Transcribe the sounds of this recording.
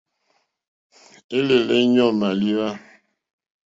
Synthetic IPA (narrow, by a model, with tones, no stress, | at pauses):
e˦le˨le˦ɲɔ˦ma˨li˦wa˦